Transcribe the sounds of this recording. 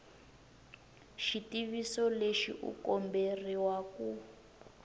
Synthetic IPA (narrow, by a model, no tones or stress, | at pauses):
ʃitiβisɔleʃḭʔṵkɔmberiwaku